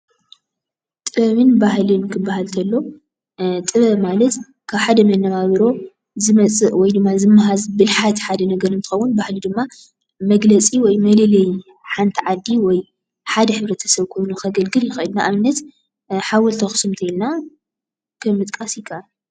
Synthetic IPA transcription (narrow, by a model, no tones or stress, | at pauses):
t̪ʼɨβɐβɨnbahlɨnkʰɨbːahalt̪ʰɐlːo̞ | t̪ʼɨβɐβmalɐt̪ | kʰaβħad̪ɐmɐnːɐβaβɾo̞ | zɨmɐt͡sʼɨʔwɔjd̪ɨmːazɨmːaɦazbɨlħat̪ħad̪ɐnɐɡɐɾɨnt̪ʰɨ̥xɐwːunbahlid̪ɨmːa | mɐɡlɐt͡sʼiwɔjmɐlɐlɐj | ħant̪ʰiʕad̪ːiwɔj | ħad̪ɐħɨβɾɐt̪ʰɐ̥sɐβkʰo̞jnuxʰɐɡɐlɡɨljɪxɐʔɨd̪naʔaβɨnːɐt̪ | ħawɔlt̪ʰɐxɨ̥sɨmt̪ʰɐilna | kʰɨmɨt̪ʼkʼasjɪkʰːɐʔa